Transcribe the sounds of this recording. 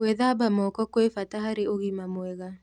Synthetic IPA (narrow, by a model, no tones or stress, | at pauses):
weðabamɔkɔkwefataɦaɾeoɣimamwɛɣa